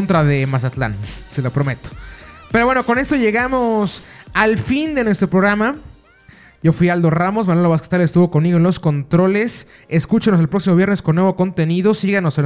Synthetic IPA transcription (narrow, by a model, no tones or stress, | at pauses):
nt̪ɾaðemas̬at̪la̰nselopɾo̞met̪o̥pe̞ɾo̞βwe̞no̞ko̞ne̞st̪o̞ʝe̞ɣamo̞salfind̪e̞nwe̞st̪ɾo̞pɾo̞ɣɾama | ɟ͡ʝo̞fwiald̪oramo̞s̬manweloβas̬kest̪alest̪uβoko̞nmiɣoenlo̞sko̞nt̪ɾo̞le̞s | eskut͡ʃenos̬elpɾoksimoβje̞ɾnesko̞nːwe̞βo̞ko̞nt̪e̞niðo̞siɣano̞sen